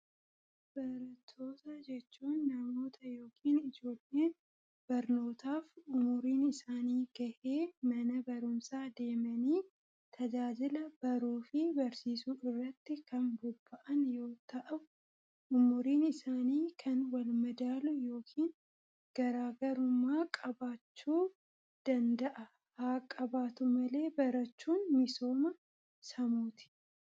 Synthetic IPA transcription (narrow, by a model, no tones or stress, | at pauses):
b̥ɐɾɐt̪ʰːo̞ːt̪ad͡ʒɛt͡ʃːuːnːɐmo̞ːt̪ʰɐjo̞ːkʰiːnɪd͡ʒo̞ːlːeːn | b̥ɐɾno̞ːt̪aːfʊmʊɾiːnɪsaːniːɡ̥ɐʔeːmɐnɐbɐɾʊmsaːd̪e̞ːmɐniː | t̪ʰɐd͡ʒaːd͡ʒɪlɐb̥ɐɾuːfɪbɐɾsiːsuːɪrːɐt̪ːɪkɐnbʊb̥ːɐʔɐnjo̞ːt̪ɐʔɐbʊ | ʔʊmːʊɾiːnɪsaːniːkʰɐnwɐlmɐd̪aːlʊjo̞ːkʰiːn | ɡ̥ɐɾaːɡɐɾʊmːaːkʼɐbaːt͡ʃːuː | d̪̥ɐnd̪ɐʔɐ | haːkʼɐbaːt̪ʊmɐle̞ːbɐɾɐt͡ʃːuːnmɪso̞ːmɐ | sɐmuːt̪ɪ̥